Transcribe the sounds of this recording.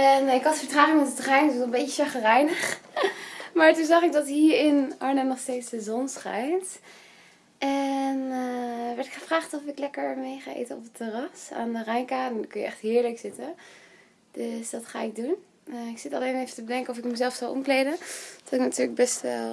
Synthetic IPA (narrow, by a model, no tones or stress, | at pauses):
ɛnɪkɑtəfəɹtraːχɪŋɔnətərɛjnsɔənmbejcəʃɑχərɛjnəχ | maːɹtunzɑχɪɡ̚dɑtɦiːɹɪnʔɑɹnənɔχstejtsdəzɔnsχɛ̰jnt | ʔɛn | ʋɛɹtɪkχəvraːχtɔfɪklɛkəɹmejχaːʔḛjtəɔpətərɑsa̰ːndərɛjnkadnkɵnjə̰ɛχtɦɪːɹləksɪtən | d̥øsdɑtχa̰ːɪɡ̚dun | ɪksɪtɑ̰lejnevətəbədɛŋkənɔfɪkməzɛlˠfsɑwʔɔ̰mklejdənd̥ɔtɪknatyːɹləɡ̚bɛstʋɛ̰lˠ